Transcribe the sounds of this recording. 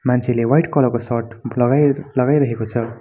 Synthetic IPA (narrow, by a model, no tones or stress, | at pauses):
mant͡sʰelewajʈkʌlʌkosʌrʈlʌɡalʌɡajɾʌɦekot͡sʰʌ